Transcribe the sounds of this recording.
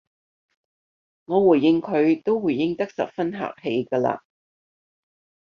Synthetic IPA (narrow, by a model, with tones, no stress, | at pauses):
ŋɔː˨˧wuː˨˩jːɪ˧ŋkʰɵ˨˧ɥt̪o˥wwuː˨˩jːɪ˥ŋt̪ɐ˥k̚sɐ̰˨p̚fɐ˥nɦa̰ː˨k̚he˧jkɐː˧la̰ː˧